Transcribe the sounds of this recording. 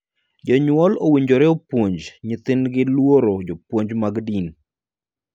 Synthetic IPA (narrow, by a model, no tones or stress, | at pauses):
d͡ʒɔɲwɔlowiɲd͡ʒoɾɛopwoɲd͡ʒɲɪt̪ɪnɡɪlwoɾod͡ʒopwoɲd͡ʒmaɡdin